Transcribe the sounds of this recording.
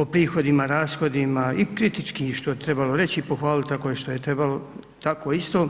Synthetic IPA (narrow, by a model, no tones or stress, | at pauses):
opɾiːxo̞d̪imaɾaːsxo̞d̪imaikɾit̪it͡ʃkiʃt̪ojet̪ɾe̞balo̞ɾe̞t͡ɕiipoxʋaːlit̪t̪akojeʃt̪o̞je̞t̪ɾe̞balo̞ | t̪ako̞ist̪o̞ː